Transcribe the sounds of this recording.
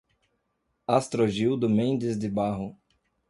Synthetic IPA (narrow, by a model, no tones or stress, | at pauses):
ast̪ɾoʒiwd̪ʊmẽnd̪ɪzd̪ɪbaɦʊ